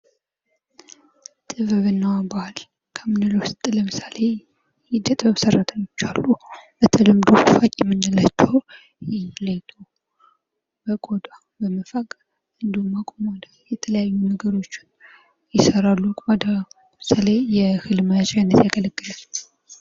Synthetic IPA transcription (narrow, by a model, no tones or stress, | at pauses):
t̪ʼɨβɨβɨnːawabaal | kʰəmɨnɨlowst̪ʼləmɨsale̞ | jɛd̪ət̪ʼbəβsərːat̪ʰəɲːo̞t͡ʃːalːubət̪ʰəlɨmd̪ufakʼjɛmːɨnːɨlat͡ʃːɛw | jɛlet̪ʰo | bəkʼod̪a | bəməfakʼ | ɨnd̪ihumːakʼomad̪ajɛt̪ʰələjajːunəɡəɾo̞t͡ʃːɪ̥n | jɪsəɾalːukʼad̪a | msalejɛhɨlmət͡ʃʼajnːət̪jaɡələɡːɨlal